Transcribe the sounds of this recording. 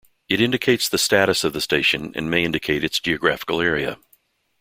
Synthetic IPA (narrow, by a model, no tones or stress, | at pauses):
ɨɾɪ̃ndɨkʰeɪtsðɨstæɾɨsʌvðɨsteɪʃɨ̃nɨ̰̃nmeɪɪ̃ndɨkʰeɪɾɨtsd̥ʒ̥iɨɡɹæfə̥kl̩ˠɛɹiɨ̰